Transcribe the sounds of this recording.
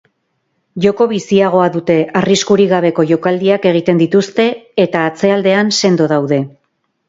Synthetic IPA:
ʝo̞ko̞βisiaɣ̞o̞aðut̪e̞ariskuɾiɣaβ̞e̞ko̞ʝo̞kald̪iake̞ɣ̞it̪e̞nd̪it̪ust̪e̞ːt̪aːt͡se̞ald̪e̞anse̞nd̪o̞ðawðe̞

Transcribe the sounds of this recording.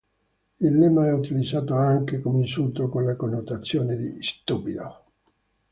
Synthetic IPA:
ilːɛmaɛut̪ilid̪zːaːt̪oaŋkekomeinsult̪okonlakonːot̪at̪sːjoːned̪ḭst̪ubid̪o̰

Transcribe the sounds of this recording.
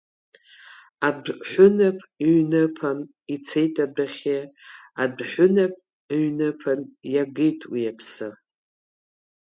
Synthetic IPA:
adħʷʊnapʼɥnɨpʰan | it͡sʰe̞jtʼadaχʲeadħʷʊnapʼ | ɥnɨpʰanjaɡɨjtʼwijapʰsɨ

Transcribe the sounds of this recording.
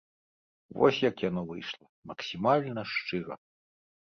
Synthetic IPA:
vɔ̰sʲjɐkjanɔvɨjʂlˠɐmɐksʲimalʲnɐʂt͡ʂɨɾɐ̰

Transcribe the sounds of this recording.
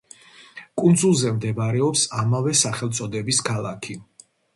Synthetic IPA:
kʼund̪zulˠzɛmd̪ɛvaɾɛɔpsamavɛsaχɛlˠt̪sʼɔd̪ɛbiskʰalˠakʰi

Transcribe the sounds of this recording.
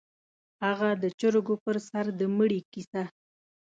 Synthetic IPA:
haɣad̪ət͡ʃəɾɡopəɾsaɾd̪əməɽikisa

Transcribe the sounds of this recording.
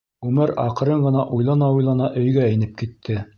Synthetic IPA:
ʉmɘɾɑ̰q̆ɾɤɴɢɤ̆nɑʔujlˠɑnɑujlˠɑnɑʔɵ̆jɡæɘ̆nɘp̚kit̪ʰːɘ

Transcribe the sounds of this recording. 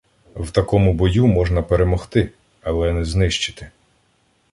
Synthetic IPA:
wt̪ɐkɔmʊbɔjumɔʒnɐpeɾe̞mɔxt̪ɪ | ɐlˠɛnɛznɪʃt͡ʃɪ̥t̪ɪ̥

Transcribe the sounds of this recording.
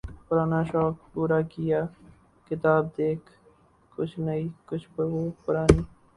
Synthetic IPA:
pʊɾaːnaːʃɔːk̚puːɾakɪjaː | kɪt̪aːb̚d̪eːkʰ | kʊt͡ʃʰnɐikʊt͡ʃʰpəɾʋoːpʊɾaːniː

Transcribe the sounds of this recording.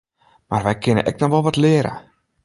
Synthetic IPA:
marʋɛjkʰɪnə̰ʔɛ̰k̚nɔxʋɔlˠʋɔtlɪəɾə̰

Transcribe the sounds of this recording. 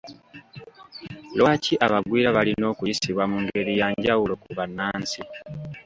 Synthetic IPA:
lwaːciʔaβaɡwiːɾaβalino̞ːkujisiβwamuŋɡe̞ɾijaːɲɟawulo̞kuβanːaːnsi

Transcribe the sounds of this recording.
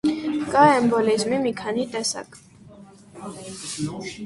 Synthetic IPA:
kʼaɛmbɔlizmimikʰanit̪ʼɛsa̰kʼ

